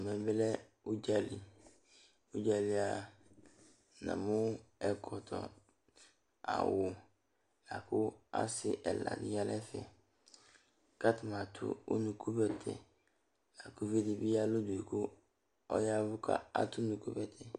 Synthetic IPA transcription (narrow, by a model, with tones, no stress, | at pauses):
mɛ̃˨bɪ˦lɛ˦ | u˦d͡ʒa˦lɪ˨ | u˦d͡ʒa˨lɪ˨a˨ | nã̰˨mʊ̃˦ɛ˨kʰɔ˨tʰɔ̰˨ | a̰˨wʊ˨ | la˨kʰʊ˦a˦sɪ˨ʔɛ˨la̰˨nɪ̃˦ja˦lɛ˦fɛ̰˨ | ka˦tʰɪ˨mã˨tʰʊ̰˦ṵ˦nũ˨kʰu˦bɛ˨tʰɛ̰˨ | la˨kʰʊ˦ve˦di˨bi˦a˦lʊ˦du˨e˨kʰu˦ | ɔ̰˦ja˦vʊ˦kʰa̰˦a˦tʰʊ˦nũ˨kʰu˦bɛ˦tʰɛ˨